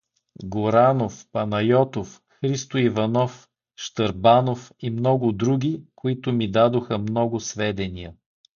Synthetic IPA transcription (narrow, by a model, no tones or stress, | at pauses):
ɡʊɾanofpɐnɐjɔt̪of | xɾist̪oivɐnɔf | ʃt̪əɾbanofimnɔɡʊd̪ɾuɡʲikoit̪ʊmid̪ad̪oxəmnɔɡʊsvɛd̪ɛniə